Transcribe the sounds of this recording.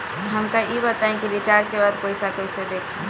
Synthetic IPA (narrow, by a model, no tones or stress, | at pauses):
ɦəmkajibət̪aẽkilit͡ʃaɾd͡ʒkebad̪pojsakojsed̪ekʰ